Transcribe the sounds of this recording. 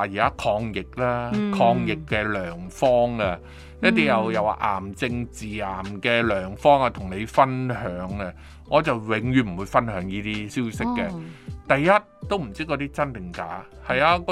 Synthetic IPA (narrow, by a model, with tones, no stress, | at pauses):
a˨˧jiː˨˩kaː˦˥kʰɔː˧ŋjɪ˨k̚laː˥kʰɔː˧ŋjɪ˨kːɛː˧lœː˨˩ŋfɔː˥ŋa˧ | jɐ˥t̚t̪iː˥jɐ˨˧wjɐ˨˧wa̰˨˧ʔa̰ː˨˩mt͡sɪ˧ŋt͡siː˨˩aː˨˩mkɛː˧lœː˨˩ŋfɔː˥ŋa˧t̪ʰʊ˨˩ŋne˨˧jfɐ˥nɦœː˨˧˥ŋɐ˧ | ŋɔː˨˧t͡sɐ˨wwɪ˨˧ŋjyː˨˧m̩˨˩wu˨˧jfɐ˥nhœː˨˧ŋjiː˥t̪iː˥siː˥wsɪ˥kːɛː˧t̪ɐ˨jːɐ˥t̚t̪o˥wm̩˨˩t͡siː˥kɔ˨˧t̪iː˥t͡sɐ˥nt̪ɪ˨˩ŋka̰ː˨˥ | hɐ˨jaː˧kɔ˧˥